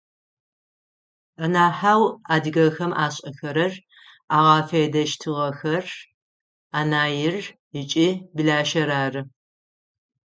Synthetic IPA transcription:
ɐnaːħaːwaːdɨɣɐxɐmʔaːɕʼɐxɐɾɐr | aːʁaːfɐdɐʃtʰɨʁɐxɐr | aːnaːjɪr | ɪt͡ʃʼibɨɮaːʃɐɾaːrɨ

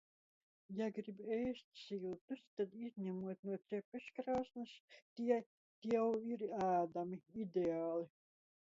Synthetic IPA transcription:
jaɡɾibɛjst̪̚ʲsilˠt̪ust̪ad̪izʲɲʲæmuɔt̪nuɔt̪sʲɛpʲɨskɾaːsnɨst̪iɛ | t̪iɛwiɾæːd̪amiid̪eaːlˠi

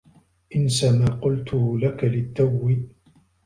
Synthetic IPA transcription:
ʔɪnsamaːqʊlt̪ʊhʊlakalɪt̪ːawːɪ

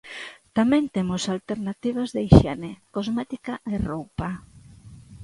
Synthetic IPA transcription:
t̪amẽnt̪emʊsalt̪eɾnat̪iβ̞azðejʃenekozmɛt̪ikaerowpa

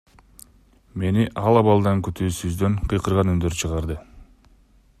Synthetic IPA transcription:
me̞niʔɑlˠɑβɑlˠd̪ɑŋkyt̪ʰyːsyzd̪ø̞ŋqʰɯjqɯɾʁɑnynd̪ø̞ɾt͡ʃʰɯʁɑɾd̪ɯ

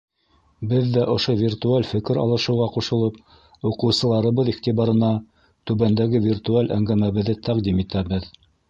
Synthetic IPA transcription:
bɘðːæʔŏʃovʲirt̪ualʲfɘ̆kɘɾɑ̰lˠɤ̆ʃɤ̆wʁɑquʃɤ̆lˠɤp̚ | uqɤ̆wsɤ̆lˠɑɾɤ̆βɤðiχt̪iβɑɾɤ̆nɑ | t̪ʉβænd̪æɡɘvʲirt̪ualʲʔæ̰ŋɡæmæβɘ̆ðɘt̪æqd̪imit̪æβɘð

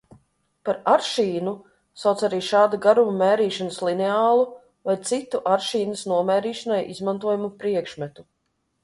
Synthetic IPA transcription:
paɾaɾʃiːnu | sawt̪saɾiːʃaːd̪aɡaɾumamɛːɾiːʃanəslˠinɛaːlˠu | vajt̪sit̪uʔaɾʃiːnəsnuɔmɛːɾiːʃanajizmant̪uɔjumupɾiɛkʃmɛt̪u

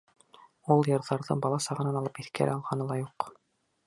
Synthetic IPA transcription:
ulˠjɤ̆ɾðɑɾðɤ̰bɑlˠɑsɑʁɤ̆nɑnɑlˠɤpiθkæ̰ɾɘɑlˠʁɑnɤlˠɑjuq

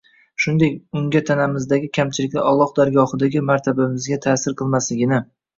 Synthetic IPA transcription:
ʃʊnd̪e̞kʲʊŋɡʲat̪ʰanamɪzd̪aɡʲɪkʲʰamt͡ʃʰɪlɪkʲlɪʔɒlˠɒqd̪aɾɡɒhɨd̪aɡʲɪmaɾt̪ʰabamɪzɡʲat̪ʰaːsɪɾqʰɨlˠmaslɪɡʲɪnɪ

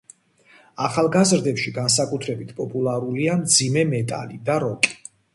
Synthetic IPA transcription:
aχalˠɡazɾd̪ɛpʃiɡans̬akʼut̪ʰɾɛbit̪ʰpʼɔpʼulˠaɾuliamd̪zimɛmɛt̪ʼa̰lid̪aɾɔkʼi̥

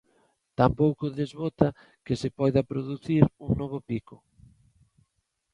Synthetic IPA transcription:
t̪ampowkʊðezβot̪ɐ | kɪsɪpɔjðɐpɾoðuθiɾuŋnɔβ̞ʊpikʊ

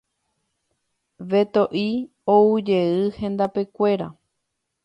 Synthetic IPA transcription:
ʋe̞t̪o̞ʔi | oud͡ʒe̞ɨhẽ̞nd̪ape̞kʷe̞ɾa̰

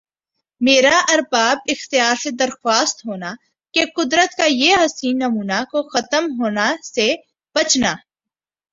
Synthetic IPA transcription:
meːɾaʔɐɾbaːbɪxt̪ɪjaːɾsed̪ɐɾxwaːst̪ɦoːna | keqʊd̪ɾət̪kajeɦɐsiːnːɐmuːnakoxɐt̪əmɦoːnase | b̥ɐt͡ʃnaː

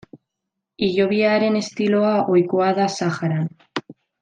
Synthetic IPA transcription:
iʝoβ̞iaɾe̞ne̞st̪iloaʔojkoað̞asaxaɾan

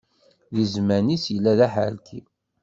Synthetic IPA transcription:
ðizmænisjəlːæðæħa̰lt̪ʰi

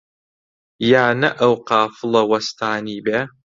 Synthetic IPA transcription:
jaːnɐʔɐwqɑːfɨlɐwɐst̪ʰaːniːbæː

